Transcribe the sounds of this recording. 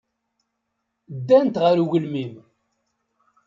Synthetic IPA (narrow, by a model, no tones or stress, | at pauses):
d̪ːænt̪ʁəɾuʝəlmim